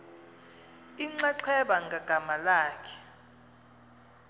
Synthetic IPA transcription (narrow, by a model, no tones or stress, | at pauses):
iŋ͡ǀaǀʰɛɓaŋɡʱaɡ̥ʱamalaːkʰɛ̥